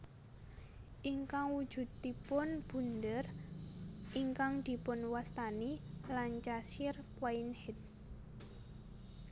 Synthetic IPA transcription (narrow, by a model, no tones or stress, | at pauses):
ʔiŋkaŋwud̥ʒ̥ṳd̪̚d̪i̤pʊnb̥ṳnd̪ər | ʔiŋkaŋd̪̥i̤pʊnwast̪anilant͡ʃasɪrpwainhɪt̪̚